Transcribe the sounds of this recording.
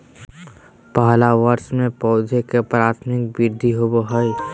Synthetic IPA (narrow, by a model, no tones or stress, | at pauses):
paɦlaʋəɾsmẽpɔːd͡ʒʱekepɾaːt̪ʰmɪk̚bɪɾd̪ʱiɦoboɦəi